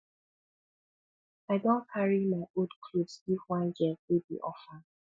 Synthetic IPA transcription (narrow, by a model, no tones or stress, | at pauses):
aɪdɔ̃nkʰaɹimaɪʔodkʰlodsifwãnd͡ʒɛwebḭʔɔfa